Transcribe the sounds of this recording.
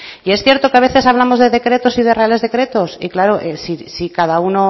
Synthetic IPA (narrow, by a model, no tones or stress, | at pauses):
ie̞sθje̞ɾt̪o̞keaβ̞e̞θe̞saβ̞lamozðe̞ðe̞kɾe̞t̪o̞sið̞e̞realezðe̞kɾe̞t̪o̞sḭklaɾoʔesisikaðauno